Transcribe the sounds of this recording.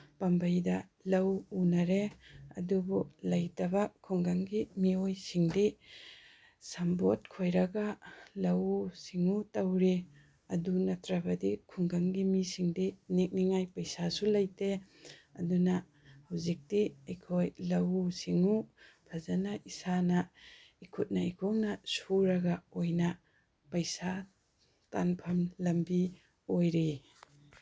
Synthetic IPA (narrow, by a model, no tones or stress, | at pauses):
pɐmbɐjdɐlɐwunɐɾeɐ̰dubulɐjtɐbɐkʰuŋɡaŋɡimiojsiŋdi | sambot̚kʰojɾɐɡɐlɐwsiŋutɐwɾi | ɐdunɐtɾɐbɐdikʰuŋɡaŋɡimisiŋdinik̚niŋajpɐjsasulɐjteɐdunɐ | hɐwzik̚tiɐjkʰojlɐwsiŋupʰɐzɐnɐʔisanɐ | ikʰut̚nɐejkʰownɐsuɾɐɡɐojnɐ | pɐjsa | tanpʰɐmlɐmbi | ojɾi